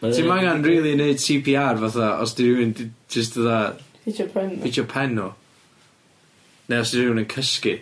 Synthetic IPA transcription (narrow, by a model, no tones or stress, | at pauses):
imaŋanriːlˠineɨd̥̚tʰipʰiarvaθaɔ̰sd̥iɾɪwɪndd͡ʒəstðəða | ɛnid͡ʒɔpʰɛnɔ | neɔsdiɾɪwɪnənkʰəski